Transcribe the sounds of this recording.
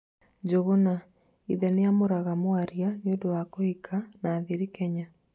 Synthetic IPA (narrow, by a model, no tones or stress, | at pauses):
d͡ʒoɣona | iðɛneamoɾaɣamwaɾjaneodowakohikʰanaːðiɾikɛɲa